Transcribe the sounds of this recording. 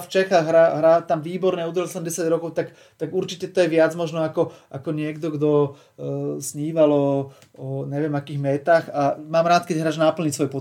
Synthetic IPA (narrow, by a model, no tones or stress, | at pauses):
ft͡ʃɛxaɣɦɾaːɦɾaːt̪amʋiːbɔɾnɛːud̪ɾlatʲɛlɛmdɛsaɟɾɔkɔʊt̪ak | t̪aɡuɾt͡ʃicɛt̪ɔjɛʋɪad͡zmɔʒnɔakɔʔakɔɲɪɛɡd̪ɔɡd̪ɔ | sɲiːʋalɔ | ɔɲɛʋɪɛmakiːɣmɛːt̪aːxamaːmɾaːt̪kɛɟɦɾaːʒnapl̩ɲicsʋɔjpɔ